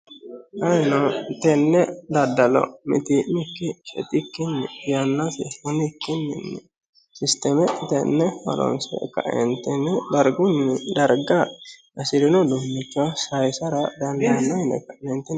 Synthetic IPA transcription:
ʔɐjnɔt̪ɛnːɛd̪ɐd̪ɐlɔ̰mɪ̰t̪ɪnɪkːɪʃɛ̰t̪ɪkːɪnːɪjɐnːɐsɪst̪ɛnɪkːɪnːɪnːɛ | sɪst̪ɛmɛt̪ɛnːɛwɐ̰lɔ̰nsɛ̰kːɐ̰ʔɛ̰nt̪ːɛnɛd̪ɐɾɡʊnd̪ɐɾɡɐ | ɐsɪd̪ɪnɔd̪ʊmːɪt͡ʃːɔsɐjsɐɾɐd̪ɐnd̪ɐjɐnːɐjnɛ̰kːɐnɛnt̪ːɪn

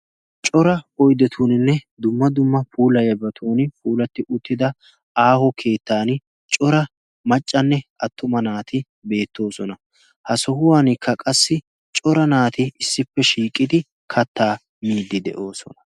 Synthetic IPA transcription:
t͡ʃʼɔɾɐɔjd̪ɛt̪ʰuːnɪnːɛd̪ʊmːɐd̪ʊmːɐfuːlɐjɐbɐt̪ʰuːnpuːlɐt̪ːɪʔʊt̪ːɪd̪ɐ | aːhɔkʰe̞ːt̪ːaːn | t͡ʃʼɔɾɐ | mɐt͡ʃʼːɐnːɛɐt̪ːʊmɐnaːt̪ɪ | be̞ːt̪ːo̞ːsɔnɐ | hɐsɔhʊwaːnɪkʰːɐkʼɐsːɪ | t͡ʃʼɔɾɐnaːt̪ɪɪsːɪpːɛʃiːkʼːɪd̪ɪ | kʰɐt̪ːaː | miːd̪ːɪd̪ɛ̰ʔo̞ːsɔnɐ̥

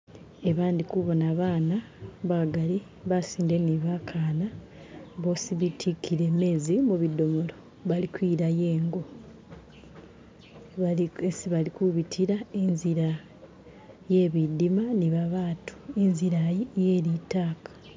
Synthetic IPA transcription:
eβaːndikuβo̞naβaːna | βaɡali | βasiːndeniβakʰaːna | βo̞siβitʰikːiɾe̞me̞ːzimuβido̞molo̞ | βalikwiɾaje̞ːŋɡo̞ | aesiβalikuβitʰiɾaenziɾa | je̞βidimaniβaβaːtʰu̥enziɾajijeːɾitaːkḁ

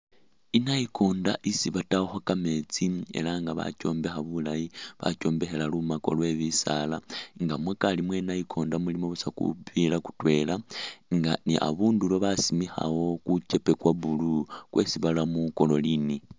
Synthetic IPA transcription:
inaikʰo̞ːndaʔisiβataoxokame̞t͡sie̞̰laŋɡaβa̰co̞ːmbe̞xaβulajiβa̰t͡ʃo̞ːmbe̞xe̞lalumako̞̰lwe̞βisalaŋɡamwekalimwe̞ːnajikʰo̞ːndamulimo̞βusakṵpilaku̥twe̞laŋɡaniʔa̰βuːndulwoβasimixa̰wo̞kuce̞pe̞kwaβulukwesiβalamuko̞lo̞lini

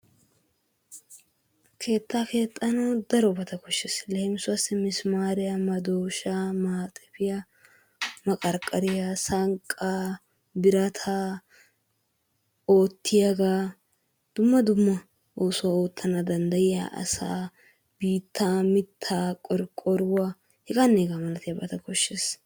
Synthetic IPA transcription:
kʰe̞ːt̪ːaːke̞ːt̪ʼːɐnɐwd̪ɐɾɔbɐt̪ɐkɔʃːɪslɛhɪmsʊwasɪmɪsmaːɾɪjɐmɐd̪oːʃaːmaːt̪ʼɛpɪja | mɐkʼɐɾkʼɐɾɪjasɐŋkʼːaː | bɪɾɐt̪ʰaː | oːt̪ʰːɪjaɡaː | d̪̥ʊmːɐd̪ʊmːɐ | oːsʊwaoːt̪ʰːɐnɐd̪ɐnd̪ɐjɪja̰ːʔɐ̰sa̰ː | b̥iːt̪ʰːaːmɪt̪ʰːaːkʼɔɾkʼɔɾʊwa | hɪkʼanːeːɡamɐlɐt̪ɪjabɐt̪ɐkɔʃːeːs

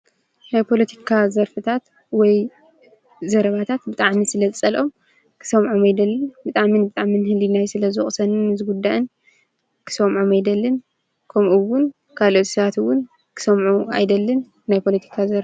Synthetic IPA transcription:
najpʰo̞lɐt̪ʰi̥kʰazɐɾfɨt̪ʰat̪ | wɔj | zɐɾɐβat̪ʰat̪bɨt̪ʼaʕmisɨlɐzɨt͡sʼɐlʔo̞m | kʰɨ̥sɐmʕomajd̪ɐlːɨnbɨt̪ʼaʕminbɨt̪ʼaʕminhɨlinajsɨlɐzɨχʼsɐnɨnɨzɨɡud̪ːaʔɨn | kʰɨ̥sɐmʕomajd̪ɐlːɨn | kʰɐmʔɨwːʊn | kʰalo̞t̪sɐβat̪ɨwːʊn | kʰɨ̥sɐmʕua̰jd̪ɐlːɨn | najpʰo̞lɐt̪ʰi̥kʰazɐɾf

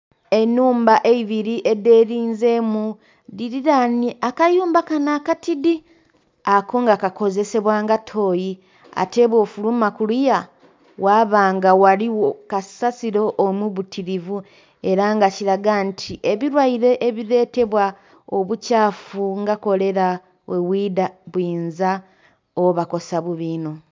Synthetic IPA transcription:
e̞nːuːmbaʔe̞iβiɾiʔe̞de̞ːɾiːnze̞mu | diɾiɾanakajuːmbakanaːkatidi | ako̞ŋɡakako̞ze̞se̞βwaːŋɡatʰo̞ːji | a̰te̞ːβwo̞ːfulumakulija | waːβaːŋɡawaliwokasasiɾo̞ʔːmuβutʰiɾivu | e̞ɾaŋɡaciɾaɡantʰiʔeβiɾwaiɾe̞ʔːβiɾe̞ːte̞βwa | oβucaːfuŋɡako̞le̞ɾa | wewiːdaβwiːnza | oβako̞saβuβiːno̞

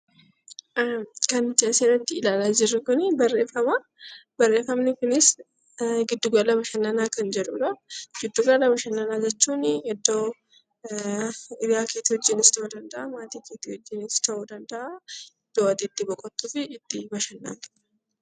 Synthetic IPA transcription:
kɐnt͡ʃʼɐːseᶑɐnt̪ːɪɪlaːlaːd͡ʒɪrːɪkʊnɪbɐrːeːfɐma | bɐrːeːfɐmnɪkʊnɪs | ɡɪd̪ːʊɡɐlɐbɐʃɐnːɐnaːkɐnd͡ʒɛᶑʊᶑɐɡ̥ɪd̪ːuɡɐlɐbɐʃɐnːɐnaːd͡ʒɛt͡ʃːuːnɛd̪ːo̞ː | ɪbjaːkeːt̪ɪhɔd͡ʒːɪnɪst̪ɐʔud̪ɐnd̪ɐʔɐmaːt̪iːkeːt̪ɪhɔd͡ʒːɪnɪst̪ɐʔud̪ɐnd̪ɐʔɐɛd̪̥ːoːɐd̪ɪd̪ːibɔkʼːɔt̪ːufɪɪt̪ːɪbɐʃɐnːɐ̰n

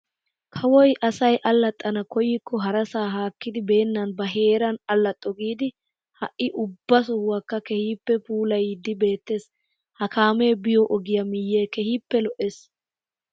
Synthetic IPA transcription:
kʰɐwɔjʔɐsɐjʔɐlːɐt̪ʼːɐnɐkɔjɪkːɔɦɐɾɐsaːɦaːkːɪd̪ɪbe̞ːnːɐnbɐɦe̞ːɾɐnɐlːɐt̪ʼːɔɡiːd̪ɪ | hɐʔːɪʔʊbːɐs̬ɔhʊwɐkːɐkɛhiːpːɛpuːlɐjɪd̪ːɪbe̞ːt̪ːe̞ːs | hɐkaːme̞ːbɪjɔʔɔɡɪjɐmɪjːeːkɛhiːpːɛlɔʔes

